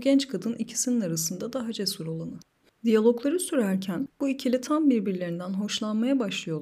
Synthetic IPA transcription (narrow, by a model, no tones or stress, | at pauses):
ɟɛnt͡ʃkʰad̪ɯnʔicʰi̥sininaɾasɯnd̪ad̪aɦad͡ʒɛsuɾolˠanɯ | d̪ijalʲˠo̞klˠaɾɯsyɾæɾcʰænb̥uicʰilʲit̪ʰambiɾbiɾlʲe̞ɾind̪ænɦo̞ʃlˠanmajabaʃlˠɯjo